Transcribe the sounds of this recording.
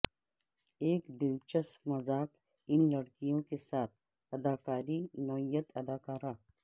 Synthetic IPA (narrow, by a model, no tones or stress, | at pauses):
eːkd̪ɪlt͡ʃɐsmɐzaːk | ɪnlɐɽkijõkesaːt̪̚ʰ | ɐd̪aːkaːɾinɔːijət̪ɐd̪aːkaːɾaː